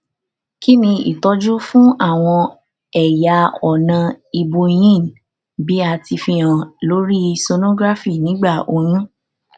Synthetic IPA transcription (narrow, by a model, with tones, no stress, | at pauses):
ki˦nĩ˧ḭ˦˨tɔ˦d͡ʒu˦fũ˦ʔa˦˨w̃ɔ̃˧ | ɛ˨ja˧ɔ˨nã˧i˧bo˧j̃ĩ˦˨ | bi˨˦a˧ti˧fĩ˧ã˨lo˨˦ɾi˦˧so˧nõ˦ɡɾa˦fi˦˨nĩ˨˦ɡ͡ba˦˨ʔo˧˦ɾ̃ũ˦